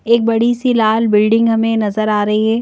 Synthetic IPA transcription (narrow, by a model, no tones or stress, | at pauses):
eːk̚bɐɽisilaːlbɪlɖɪ̃ŋɡɦɐmẽnɐzəɾaːɾɐɦiɦɛ̃ː